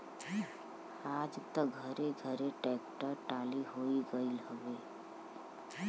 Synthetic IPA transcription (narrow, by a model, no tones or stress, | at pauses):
aːd͡ʒt̪əɡʱəɾeɡʱəɾeʈɛːkʈəɾʈaːliɦoːiɡəilɦəʋeː